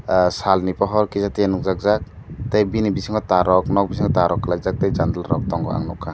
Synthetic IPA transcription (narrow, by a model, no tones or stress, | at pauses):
salnipaɦɔɾkizatijanuk̚zak̚zak̚ | tajbinibisiŋɡɔtaɾɔk̚nɔk̚bis̬iŋɡɔtaɾɔkːalajzak̚tajzand̪alɾɔk̚t̪ɔŋɡɔ̰ʔa̰ŋnɔkʰa